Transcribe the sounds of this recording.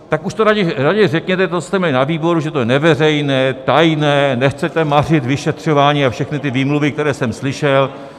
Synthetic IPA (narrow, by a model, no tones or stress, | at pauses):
t̪akuʃt̪oɾaɟɛɾaɟɛrɛkɲɛt̪ɛt̪ot͡so̥st̪ɛmɲɛlɪnaviːbo̞ɾuʒɛt̪ojɛnɛvɛrɛjnɛːt̪ajnɛːnɛxt͡sɛt̪ɛmar̝ɪt̪vɪʃɛt̪r̝̥o̞vaːɲiːafʃɛxnɪt̪ɪviːmluvɪk̚t̪ɛɾɛːsɛmslɪʃɛl